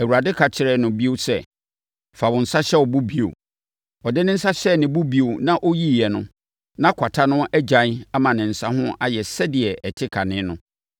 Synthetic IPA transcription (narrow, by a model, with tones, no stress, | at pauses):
æ˨wu˨ɾa˨dɪ˦kʰa˨t͡ɕʰɪ˨ɾɛ˦˨nʊ̃˨bi˦o˦sɛ˦˨ | fa˨bʊ̃˨n̩˨sa˦ɕɛ˦ɔ˨bu˦bi˦o̰˨ | ɔ˨dɪ˦nɪ̃˦n̩˦sa˦ɕɛ˦˨nɪ̃˨bu˦bi˦o˨nã˦ʔo˦ji˦˨jɛ˨nʊ̃˦ | nã˦kʰa˨tʰa˦nʊ̃˦ɛ˦d͡ʑã˨n˦a˦mã˨nɪ̃˨n̩˨sa˦ɦʊ̃˦ʔa˦jɛ˨sɛ˦dɪ˨ɛ˨ʔɛ˨tʰɪ˦kʰa˨nɪ̃˦nʊ̃˦